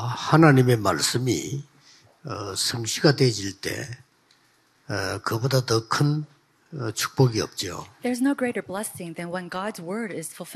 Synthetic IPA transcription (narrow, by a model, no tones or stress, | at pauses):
hanaɲime̞ma̰ɭs͈ɯmḭ | ʌsʰɯŋɕʰiɡadwed͡ʑiɭt͈e̞̰ | kɯbodatʌkʰɯn | t͡ɕʰu̥k̚p͈ʌɡiʌ̰p̚t͡ɕ͈io̰ðə˞znoʊɡɹeɪɾə˞blɛsɪ̃ŋðɨ̃nwɛ̃nɡɑdzwɜ˞ɾɪz̥fʊlˠf